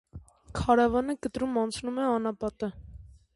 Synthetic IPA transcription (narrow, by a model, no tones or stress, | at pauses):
kʰɑɾɑvɑnəkət̪ɾumɑnt͡sʰnumɛɑnɑpɑt̪ə